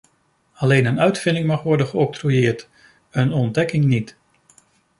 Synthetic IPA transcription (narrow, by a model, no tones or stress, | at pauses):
ɑlejnənœɥtfɪndɪŋmɑχʋɔɹdənχəɔk̚trujɪːɹt | ənɔndɛkɪŋnit